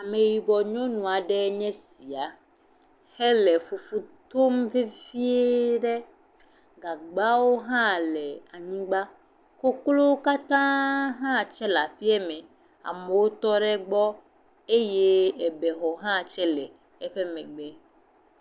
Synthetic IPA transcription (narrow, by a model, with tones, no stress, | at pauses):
a˨me˨ji˨bɔ˨ɲɔ̃˦nũ˨a˨ɖɛ˦ɲɛ̃˦si˨a˨ | hɛ˦lɛ˨fu˨fu˦t̪o˦mvi˦vi˦e˦ɖɛ˦ | ɡa˨ɡ͡ba˦wo˦ɦã˦lɛ˨a˨ɲĩ˦ɡ͡ba˦ | ko˦klo˦wo˦ka˦t̪ã˦ɦã˦˨t͡ʃɛ˦la˨ɸi˦ɛ˦mɛ̃˨ | a̰˨me˨wo˦t̪ɔ˦ɖɛ˦ɡ͡bɔ˦ | e˦je˦ɛ˨bɛ˨ɦɔ˨ɦã˦˨t͡ʃɛ˦lɛ˨ | ɛ˦ɸɛ˦mɛ̃˨ɡ͡bɛ˦